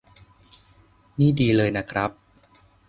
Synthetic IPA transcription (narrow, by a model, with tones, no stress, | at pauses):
niː˥˩diː˧lɤː˧jna˦˥kʰɾa˦˥p̚